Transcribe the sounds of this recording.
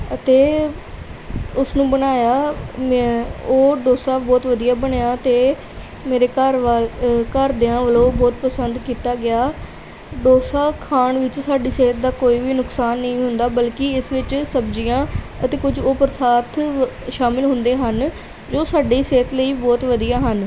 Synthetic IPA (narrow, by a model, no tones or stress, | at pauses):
ət̪eː | ʊsnũːbəɳaːjaːmoːɖoːsaːbɔːt̪ʋəd̪ijaːbəɳːaːt̪eː | meːɾeːkəɾ | kəɾd̪eːãːʋəlõːbɔːt̪pəsənd̪kiːt̪aːɡɪaː | ɖoːsaːkʰaːɳʋɪt͡ʃsaːɖiːseːt̪̚d̪aːkoːiːʋiːnʊksaːnːəĩːɦʊnd̪aːbəlkɪɪsʋɪt͡ʃsəbd͡ʒiːjãː | ət̪eːkʊd͡ʒoːpəɾəsaːɾt̪ʰʃaːmɪlɦʊnd̪eːɦən | d͡ʒoːsaːɖiːseːt̪ləiːbɔːt̪ʋəd̪ijaːɦən